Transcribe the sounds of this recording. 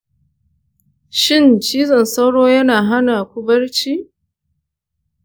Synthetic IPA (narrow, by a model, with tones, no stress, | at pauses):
ʃɪ˦˨nt͡ʃiː˦zɐ˨nsa˦wɽoː˦jɐ˦naː˨ɦa˦naː˨kʷʊ˦bɐ˦ɽt͡ʃiː˦